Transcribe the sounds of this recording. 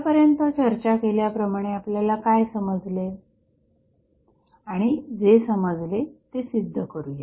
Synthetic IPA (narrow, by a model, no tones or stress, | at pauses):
pəɾjənt̪ət͡ɕəɾt͡ɕakeljapɾəmaɽ̃eapljalakajsəməd͡zle | aɽ̃id͡zesəməd͡zlet̪esid̪ʱːəkəɾuje